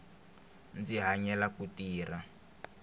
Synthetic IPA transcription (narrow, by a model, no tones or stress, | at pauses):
nd͡ziɦaɲɛlakutiːra